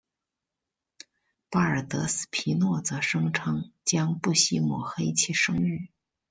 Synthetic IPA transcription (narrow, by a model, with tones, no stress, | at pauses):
pa˥ə˞˨˩t̪ɤ˧˥sɹ̩̥˨˩pʰi˧˥nwɔ˥˩t͡sɤ˧˥ʂɤ˥ŋʈ͡ʂʰɤ˥ŋt͡ɕjɑ˥ŋpu˥˩ɕi˥mwɔ˨˩xe˥ɪt͡ɕʰi˥˩ʂɤ˥ŋy˥˩